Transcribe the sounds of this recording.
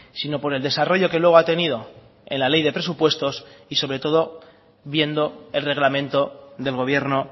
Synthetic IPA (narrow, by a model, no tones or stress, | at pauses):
sino̞po̞ɾe̞ld̪e̞saro̞ʝo̞ke̞lwe̞ɣ̞at̪e̞nið̞o̞ | e̞̰nlale̞jðe̞pɾe̞s̬upwe̞st̪o̞siso̞βɾe̞t̪o̞ð̞o̞ | βje̞nd̪o̞e̞lre̞ɣlamẽ̞nt̪o̞ðe̞lɣo̞βje̞ɾno